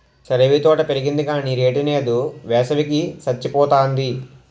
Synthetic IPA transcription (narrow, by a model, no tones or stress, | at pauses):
sɐɾeʋit̪ɔːʈɐpeɾiɡind̪ikaːniɾeːʈineːd̪uʋɛːsɐʋikisɐt͡ʃːipɔːt̪aːnd̪i